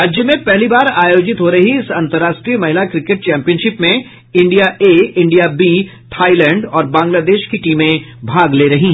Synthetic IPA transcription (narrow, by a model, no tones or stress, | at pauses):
ɾaːd͡ʒjəmẽpɛɦlibaːɾaːjoːd͡ʒɪt̪ɦoɾɐɦiɪsɐ̃nt̪əɾaːʃʈɾijəmɐɦɪlakɾɪkeʈ̚t͡ʃɛ̃ːmpijənʃɪpmẽ | ɪ̃ɳɖijaʔeːɪ̃ɳɖijabiːt̪ʰaːilɛ̃ːɳɖɔːɾbãːŋɡlaːd̪eːʃkiʈiːmẽbʱaːɡleːɾɐɦĩɦɛ